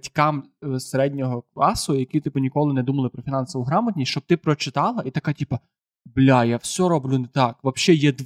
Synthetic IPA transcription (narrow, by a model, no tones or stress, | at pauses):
tʲkɑmseɾɛdʲnʲɔɦɔklˠɑsʊjɐkʲit̪ɪpʊnʲikɔlˠɪnɛd̪umɐlˠɪpɾɔfʲinɑnsɔʋʊɦɾɑmɐt̪ʲnʲist͡ʃɔb̚t̪ɪpɾɔt͡ʃɪt̪ɑlˠɐʔit̪ɐkatʲipɐ | blʲajawsʲɔɾɔblʲʊnɛt̪ɑkʋɐpʃɛjɛd̪